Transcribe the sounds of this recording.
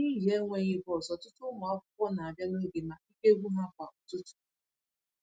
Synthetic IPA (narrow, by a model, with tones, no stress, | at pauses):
ni˦ɦe˦ŋʷe˦ɲe˦bɔ˨sɔ˨tʊ˦tʊ˦ma˨ɔ˦kʊ˦pɔ˦na˨a˨bja˦no˦ɡe˨na˨i˦ke˦ɡʷu˦ɦa˦kʷa˨ɔ˨tʊ˦tʊ̥˦